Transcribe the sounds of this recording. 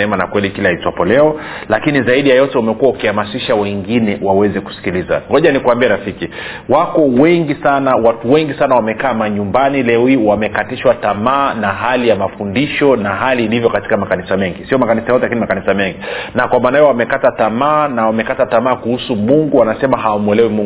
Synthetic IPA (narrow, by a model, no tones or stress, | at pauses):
ɛmana̰kwɛlikilaaitwapɔlɛɔlakinizaiɗijajɔtɛumɛkuwaukihamasiʃawɛŋɡinɛwawɛzɛku̥si̥kiliza̰ŋɡɔʄanikuambiɛɾafiki | wakɔwɛŋɡisanawatuwɛŋɡisanawamɛkaːmaɲumbanilɛwiwamɛkatiʃwatamaːnaɦalijamafundiʃɔnaɦaliːlivjɔkati̥kamakanisamɛŋɡisiɔmakanisajɔtɛlakinimakanisamɛŋɡinakwamaːnajɔwamɛkatatamaːnawamɛkatatamaːkuhusumuŋɡuwanasɛmaɦaumwɛlɛwimuŋ